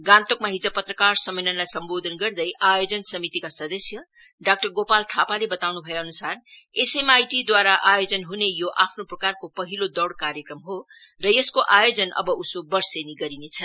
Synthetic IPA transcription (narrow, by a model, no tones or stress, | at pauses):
ɡãnt̪okmaɦid͡zʌpʌt̪rʌkarsʌmːelʌnlajsʌmbod̪ʱʌnɡʌrd̪ʌjʔajod͡zʌnsʌmit̪ikasʌd̪ʌsjʌ | ɖak̚ʈʌrɡopalt̪ʰapalebʌt̪awnubʱʌjeʌnusar | esemajʈid̪waɾaʔajod͡zʌnɦunejoʔapʰnoprʌkarkopʌɦilod̪ʌɽkaɾjʌkrʌmɦo | rʌjeskoʔajod͡zʌnʌ̰bʌʔusobʌrseniɡʌɾinet͡sʰʌ